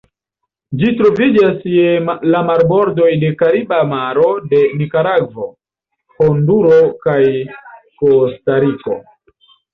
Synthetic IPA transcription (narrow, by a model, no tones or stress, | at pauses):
d͡ʒitɾo̞vid͡ʒasjelamaɾbo̞ɾdo̞jde̞kaɾibamaɾo̞de̞mikaɾaɡvo | honduɾo̞kaj | kostaɾiko̞̰